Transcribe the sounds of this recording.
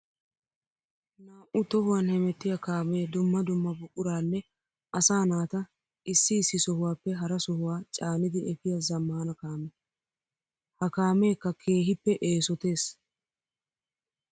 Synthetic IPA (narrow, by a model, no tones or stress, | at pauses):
naːʔʊt̪ɔhʊwanhɛmɛt̪ːɪjɐkaːmeːd̪ʊmːɐd̪ʊmːɐbʊkʼːʊɾaːnːɛ | ʔɐsaːnaːt̪ɐ | ʔɪsːɪːsːɪsɔhʊwaːpːɛɦɐɾɐsɔhʊwaːt͡ʃʼaːnɪd̪ɪɛfɪjɐzɐmːaːnɐkaːmɛ | hɐkaːme̞ːkːɐkʰe̞ːɦɪpːɛʔeːsɔt̪e̞ːs